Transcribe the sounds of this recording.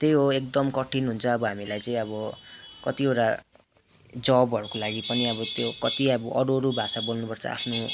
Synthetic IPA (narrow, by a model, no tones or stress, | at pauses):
t̪ejɦoek̚d̪ʌmkʌʈʰinɦunt͡sʰʌːbʌɦamilajt͡saĩʌbʌkʌt̪ieʈa | d͡zʌbʌɾukolaɡipʌniʌbʌt̪jokʌt̪iʌbʌʔʌɽoɾubʱasabolnupʌrt͡sʰʌ̰a̰pʰno